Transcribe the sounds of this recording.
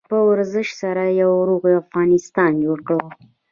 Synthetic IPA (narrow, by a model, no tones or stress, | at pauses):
pəwaɾzəʃsaɾajawɾoɣiafɣɑnɪst̪ɑnd͡ʒoɽkɽəw